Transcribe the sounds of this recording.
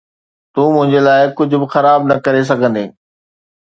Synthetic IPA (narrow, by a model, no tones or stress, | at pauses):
t̪ũːmʊ̃ɦɪ̃ɲd͡ʑelaːɪkʊd͡ʑʱʊ̆bɪxɐɾaːbnɐkɐɾes̬ɐɡʱə̃nd̪eː